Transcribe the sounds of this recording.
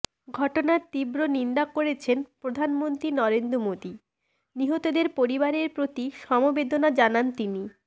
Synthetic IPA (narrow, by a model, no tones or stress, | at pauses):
ɡʱɔʈonaɾt̪ibɾoniɳɖakoɾet͡ɕʰenpɾod̪ʱanmont̪ɾinɔɾend̪ɾomod̪i | niɦot̪od̪eɾpoɾibaɾeɾpɾot̪iʃɔmobed̪onad͡ʑanant̪ini